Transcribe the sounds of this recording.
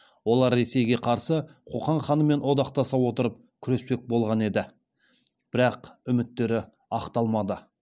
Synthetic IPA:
wo̞lˠɑɾːe̞se̞jɡʲe̞qʰɑɾsəqʰoqɑɴχɑnəme̞nwo̞d̪ɑqt̪ɑsɑwo̞t̪əɾəp̚ | kʲʰʏɾe̞spe̞k̚bo̞lˠʁɑne̞d̪ɪ | b̥ɪɾɑqʏmɪt̪ːe̞ɾɪ | ɑqt̪ɑlˠmɑd̪ə

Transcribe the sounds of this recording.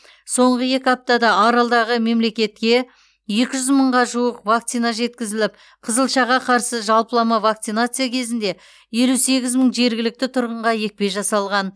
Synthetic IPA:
so̞ɴʁəje̞kʲɪɑp̚t̪ɑd̪ɑːɾɑlˠd̪ɑʁəme̞mle̞kʲe̞t̪̚kʲe̞ | je̞kʲɪʒʏzməɴʁɑʒuwəqvakt̪sijnaʒe̞t̪kʲɪzɪlɪp | qʰəzəlˠʃɑʁɑqʰɑɾsəʒɑlˠpəlˠɑmɑvakt̪sijnat̪sɨjakʲʰe̞zɪnd̪e̞ | je̞luse̞ɡʲɪzməɴʒe̞ɾɡʲɪlɪk̚t̪ɪt̪ʰʊɾʁəɴʁɑje̞k̚pe̞ʒɑsɑlˠʁɑn

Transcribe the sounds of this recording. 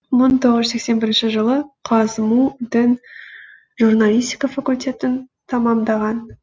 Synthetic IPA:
məɴt̪ʰo̞ʁəzse̞kse̞nbɪɾɪnʃɪʒəlˠəqʰɑzmud̪ɪn | ʒurnalˠijst̪ʲi̥kafakulʲt̪ʲʰe̞t̪ɪnt̪ʰɑmɑmd̪ɑʁɑn

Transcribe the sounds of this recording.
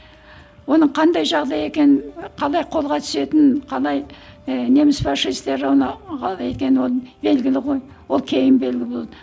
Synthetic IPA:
wo̞nəɴqʰɑnd̪ɑjʒɑʁd̪ɑje̞kʲe̞nɪnqʰɑlˠɑjqʰo̞lˠʁɑt̪ʰʏ̥se̞t̪ɪnqʰɑlˠɑjne̞mɪsfɑʃːist̪eɾɑwnɑʁɑe̞t̪̚kʲe̞nɪwolˠbe̞lɡʲɪlɪʁo̞j | wo̞lˠkʲʰe̞jɪmbe̞lɡʲɪlɪbolˠɑd̪ə

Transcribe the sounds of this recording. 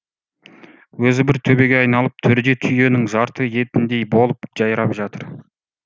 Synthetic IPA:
wɵzɪbɪɾt̪ʰɵbe̞ɡʲeɑjnɑlˠəp̚t̪ʰʏɾd̪e̞t̪ʰʏje̞nɪŋʒɑɾt̪əje̞t̪ɪnd̪e̞jbo̞lˠəpʒ̥ɑjɾɑpʒɑt̪əɾ

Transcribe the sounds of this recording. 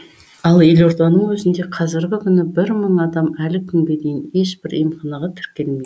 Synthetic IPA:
ɑlˠje̞lo̞ɾd̪ɑnəɴwɵzɪnd̪e̞qʰɑzɪɾɡʲɪkʲʰʏnɪbɪɾməɴɑd̪ɑmælɪkʲʰʏŋɡʲe̞d̪e̞jɪne̞ʃbɪɾḭjmχɑnɑʁɑt̪ʰɪ̥ɾkʲe̞lmej̪ɪ

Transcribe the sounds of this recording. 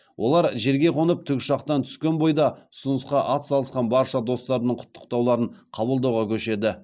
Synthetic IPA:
wʔo̞̰lˠɑɾʒe̞ɾɡʲe̞qʰo̞nəp̚t̪ʰʏkʲʃɑqt̪ɑnt̪ʰʏ̥skʲe̞nbo̞jd̪ɑʊsʊnəsqɑʔɑt̪sɑlˠəsqɑnbɑɾʃɑd̪o̞st̪ɑɾənəɴqʰʊ̥t̪ʰːə̥qt̪ɑwlˠɑɾəɴqʰɑbəlˠd̪ɑwʁɑkʲʰɵʃe̞d̪ɪ

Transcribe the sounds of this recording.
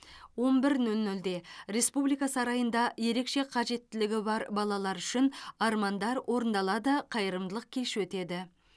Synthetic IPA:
wo̞nbɪɾnɵlnʏld̪e̞ɾe̞spublijkɑsɑɾɑjənd̪ɑje̞ɾe̞kʃe̞qʰɑʒe̞t̪ːɪlɪɡʲɪbɑɾbɑlˠɑlˠɑɾʏʃɪnɑɾmɑnd̪ɑɾwʔo̞ɾənd̪ɑlˠɑd̪əqʰɑjəɾəmd̪əlˠəq̚kʲʰe̞ʃwɵt̪e̞d̪ɪ

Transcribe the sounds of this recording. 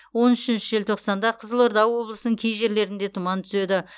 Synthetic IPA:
wo̞nʏʃɪnʃɪʒelt̪ʰo̞qsɑnd̪ɑqʰəzəlˠo̞ɾd̪ɑwwo̞blˠəsənəŋkʲʰejʒe̞ɾle̞ɾɪnd̪e̞t̪ʰʊmɑnt̪ʰʏ̥se̞d̪ɪ

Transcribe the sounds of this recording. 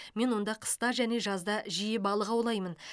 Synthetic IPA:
me̞nwo̞nd̪ɑqʰə̥st̪ɑʒæne̞ʒɑzd̪ɑʒijɪbɑlˠəqɑwlˠɑjmən

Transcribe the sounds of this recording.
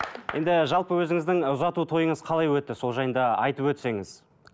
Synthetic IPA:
je̞nd̪ɪʒɑlˠpəwɵzɪŋɪzd̪ɪŋʊzɑt̪ut̪ʰo̞jəɴəz̥qʰɑlˠɑjwɵt̪ːɪso̞lˠʒɑjənd̪ɑɑjt̪əpwɵt̪se̞ŋɪz̥

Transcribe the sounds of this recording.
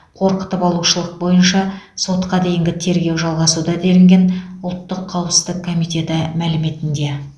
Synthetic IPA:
qʰo̞ɾqə̥t̪əpɑlˠuʃəlˠəq̚bo̞jənʃɑso̞t̪qɑd̪e̞jɪŋɡʲɪt̪ʰe̞ɾɡʲe̞wʒɑlˠʁɑsud̪ɑd̪e̞lɪŋɡʲe̞nʊlˠt̪ːəqʰːɑwəpsə̥zd̪ɪkʰːo̞mijt̪e̞t̪ɪmælɪme̞t̪ɪnd̪e̞

